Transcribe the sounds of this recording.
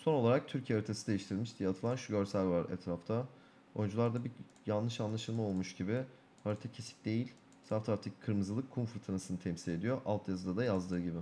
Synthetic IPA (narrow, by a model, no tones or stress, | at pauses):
so̞nolˠaɾak̚t̪ʰyɾcʰeɦaɾit̪ʰesid̪ejiʃt̪ʰiɾilʲmiʃd̪ijɛːt̪ʰɯlˠanʃuɟø̞ɾsælʲvaɾɛ̰t̪ɾaft̪ʰa | o̞jund͡ʒulˠaɾd̪abi | janːɯʃanlˠaʃɯlˠmao̞lˠmuʃɟibɪ | haɾit̪ʰacʰe̞si̥p̚d̪e̞jilʲ | saft̪ʰaɾt̪ʰickʰɯɾmɯzɯlˠɯkʰːunfɾt̪ʰanɯsɯnɯt̪ʰɛmsilʲe̞d̪ijoʔalˠt̪ʰjazɯd̪ad̪ajazd̪ɯːɟibɪ